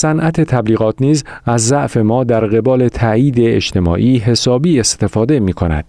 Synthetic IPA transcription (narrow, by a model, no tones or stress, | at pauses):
sænʔæt̪ʰe̞t̪ʰæbliːɣɒːt̪niːzæzːæʔfe̞mɒːd̪æɾɣe̞bɒːle̞t̪ʰæiːd̪eːʃt̪ʰe̞mɒ̰ːʔiːɦe̞sɒːbiːe̞st̪e̞fɒːd̪e̞miːkʰo̞næ̰d̪̥